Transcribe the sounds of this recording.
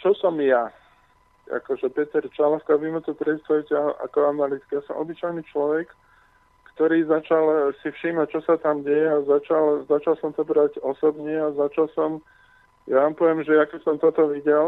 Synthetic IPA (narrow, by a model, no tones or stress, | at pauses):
t͡ʃɔsɔmja | a̰kɔʒɛpɛt̪ɛɾt͡ʃalast̪aʋimɛt̪upɾɛt̪st̪aʋucɛaʔa̰kɔanalit̪i̥kjasɔmʔɔbit͡ʃajnit͡ʃlɔʋɛkː | t̪ɔɾiːzat͡ʃalsifʃiːmac̚t͡ʃɔsat̪amɟɛjɛazat͡ʃalzat͡ʃalsɔmt̪ɔbɾaɟɔsɔbɲɛazat͡ʃalsɔm | jaʋaːmpɔʋɛmʒɛjakɛsɔmt̪ɔt̪ɔʋiɟɛl